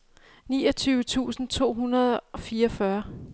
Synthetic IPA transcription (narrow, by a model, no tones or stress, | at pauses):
nḭːɒ̽t͡sʰyːʊət͡sʰṵːsn̩t͡sʰo̝̰ːɦunɐð̞ˠɒ̽fiːɐɒfɶɐ